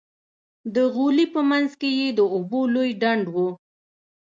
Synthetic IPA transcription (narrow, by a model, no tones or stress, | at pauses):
d̪əɣulipəmanzkejed̪əobolojɖaɳɖwu